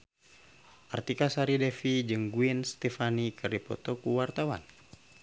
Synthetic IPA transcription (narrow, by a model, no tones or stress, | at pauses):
art̪ikasaɾidɛfid͡ʒɨŋɡuinst̪ɛfanikərdipɔ̰t̪ɔkuwart̪awa̰n